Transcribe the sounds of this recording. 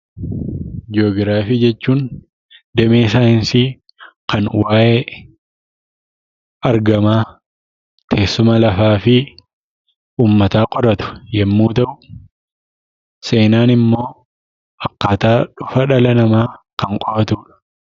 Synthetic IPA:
d͡ʒo̞ːɡɪɾaːfid͡ʒɛt͡ʃːuːn | d̪ɛmeːsaːhɪnsi | kɐnwaːʔeː | ɐɾɡɐmaː | t̪ʰeːsːʊmɐlɐfaːfɪ | ʔuːmːɐt̪aːkʼɔɾɐt̪ʊ̥jɛmːuːt̪ɐʔʊ | se̞ːnaːnɪmːo̞ː | ʔɐkːaːt̪aːᶑʊfɐᶑɐlɐnɐmaːkɐŋkʼɔʔɐt̪uːᶑɐ̥

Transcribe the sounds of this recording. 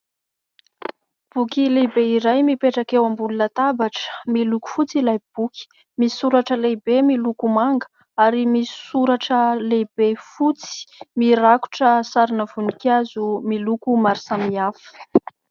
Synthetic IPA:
b̥ukilebeiɾajmipeʈ͡ʂakewambulunət̪abaʈ͡ʂə̥miluku̥fut͡silajb̥uki̥ | misuɾaʈ͡ʂəlebemilukumaŋɡə | aɾimisuɾaʈ͡ʂəlebefut͡si̥miɾaku̥ʈ͡ʂəsaɾinəv̥unikʲazumilukumaɾisamiafə̥

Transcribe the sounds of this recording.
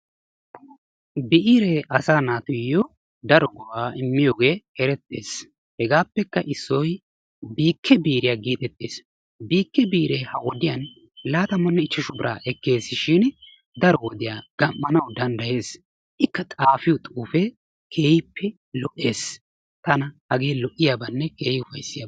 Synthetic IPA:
bɪʔiːɾɛʔɐsaːnaːt̪ʊjːɔ | d̪ɐɾɔɡɔwaːɪmːɪjoːɡe̞ːɛɾɛt̪ʼːeːs | hɛɡaːpːɛkːɐʔɪsːɔj | biːkʰːɛbiːɾɪjaːɡiːt̪ɛt̪ʼːeːs | biːkːɛbiːɾehɐwɔd̪ɪjɐn | laːt̪ɐmːɐnːɛɪt͡ʃːɐʃʊbɪɾa̰ːʔɛkːe̞ːsʃɪn | d̪ɐɾɔwɔd̪ɪjaːɡ̥ɐmːɐnɐwd̪ɐnd̪ɐje̞ːs | ʔɪkːɐt̪ʼaːfɪjɔt̪ʼuːfɛ | kʰe̞ːjɪpːɛ | lɔʔːe̞ːs | t̪ɐnɐhɐɡe̞ːlɔʔɪjaːbɐnːɛkeːhɪʊfɐjsːɪjaː

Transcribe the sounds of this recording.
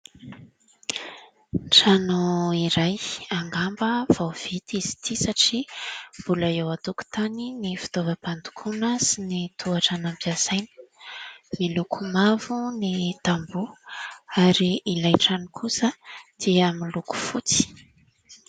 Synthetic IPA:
ʈ͡ʂanuiɾajaŋɡambəv̥awv̥et̪izi̥t̪ʰisaʈ͡ʂiv̥ulaewat̪uku̥t̪aninifi̥t̪ovəpand̪u̥kʰunəsinit̪ʰuaʈ͡ʂanampiazajni̥ | milukʰumavunit̪ambu | aɾiilajʈ͡ʂanikʰusəd̪̥iamiluku̥fut͡si̥

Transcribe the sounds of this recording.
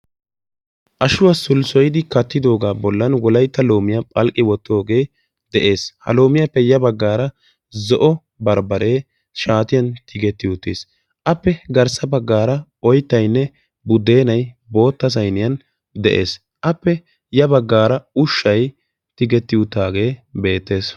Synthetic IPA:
ʔɐʃʊwasʊlsɔjɪd̪ɪkɐt̪ːɪd̪o̞ːɡaːbɔlːɐnwɔlɐjt̪ːɐlo̞ːmɪjɐpʼɐlkʼːɪwɔt̪ːo̞ːɡe̞ː | d̪̥ɛʔe̞ːshɐ̰lo̞ːmɪjɐpːɛjɐbɐɡːaːɾɐ | zɔʔɔ | bɐɾbɐɾe̞ː | ʃaːt̪ɪjɐnt̪ʰɪɡɛt̪ːɪʊt̪ːḛːs | ʔɐpːɛɡɐɾsɐbɐɡːaːɾɐʔɔjt̪ːɐjnːɛ | bʊd̪ːe̞ːnɐjbo̞ːt̪ːɐsɐjnɪjɐn | d̪ɛ̰ʔe̞̰ːs | ʔɐpːɛ | jɐbɐɡːaːɾɐʊʃːɐj | t̪ɪɡɛt̪ːɪʊt̪ːaːɡe̞ːbe̞ːt̪ːe̞ːs

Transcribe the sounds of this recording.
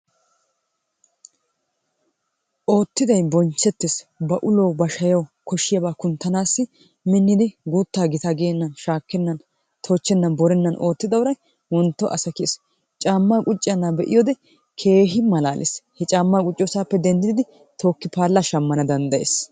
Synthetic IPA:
ʔo̞ːt̪ːɪd̪ɐjbɔnt͡ʃːɛt̪ːɛsbɐʔʊloːbɐʃɐjɐwkɔʃɪjɐbaːkʊnt̪ːɐnaːsːɪ | mɪnːɪd̪ɪɡuːt̪ːaːɡɪt̪ɐɡeːnːɐnʃaːkːɛnːɐn | t̪ʰo̞ːt͡ʃːɛnːɐbɔɾɛnːɐnʔo̞ːt̪ːɪd̪ɐwʊɾɐj | wɔnt̪ːɔʔɐ̰sɐkɪḛs | t͡ʃʼaːmːaːkʼʊt͡ʃʼːɪjɐnːabɛʔɪ̰joːd̪ɛ | kʰe̞ːɦɪmɐlaːlʔɪ̰shɛt͡ʃʼaːmːaːkʼʊt͡ʃʼːoːsaːpːɛd̪ɛnd̪ɪd̪ɪd̪ɪ | t̪ʰo̞ːkːɪpaːlːaʃɐmːɐnɐd̪ɐnd̪ɐjḛːs

